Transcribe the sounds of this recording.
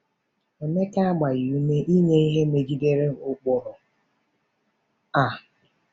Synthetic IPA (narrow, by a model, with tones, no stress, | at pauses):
e˨me˦ka˦a˦ɡ͡ba˨ji˨u˦me˦ʔi˦ɲe˦i˦ɦe˦me˨d͡ʒi˦de˦ɾe˦ʊ˦k͡pʊ˨ɾɔ˨ | a˨